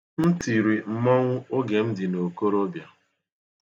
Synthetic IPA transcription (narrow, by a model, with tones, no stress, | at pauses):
n̩˦ti˨ɾi˨m̩˨mɔ˦ŋʷʊ˦o˦ɡe˨m̩˦dɪ˨no˨ko˦ɾo˦bja˨